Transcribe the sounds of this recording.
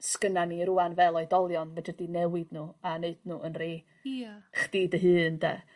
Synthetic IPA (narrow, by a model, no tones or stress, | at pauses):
skənaniɾuanvɛlˠɔɨdɔlˠjɔnmadədinɛwɪdnuːaneɨd̚nuːʔənre | χd̥iːdəɦɨːndɛ̰